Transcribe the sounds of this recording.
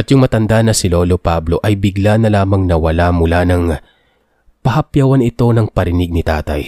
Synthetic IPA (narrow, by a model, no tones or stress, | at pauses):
ʔɐt̪jʊŋmɐt̪ɐnd̪anɐsɪlo̞ːlopablo̞ʔɐjbɪɡlanɐlaːmɐŋnɐwɐlamʊlanɐŋ | pɐhɐpjɐwɐnɪt̪o̞nɐŋpɐɾɪnɪɡ̚nɪt̪a̰ːt̪ɐ̰j